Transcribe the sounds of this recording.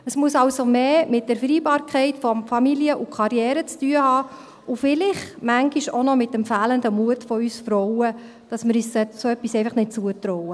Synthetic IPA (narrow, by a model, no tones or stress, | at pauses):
əsmuəsɑʊsomeːmɪt̚d̥ɛɾfɾiːbɑːɾkχɛɪtfɔmfɑmiliəʔukχɑɾjɛːɾət͡styəhɑː | ʊfɪlɪχmæŋɡiʃonɔmɪtdɛmfæːləndəmuətfɔyːsfɾɔʊwə | d̥ɑsmɪɾyːssɛtsoœpːisɛɪfɑχnɪt̚t͡suətɾɔʊwə